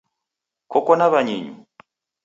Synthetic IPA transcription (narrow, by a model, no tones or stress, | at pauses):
kɔkɔnaβaɲiɲḭ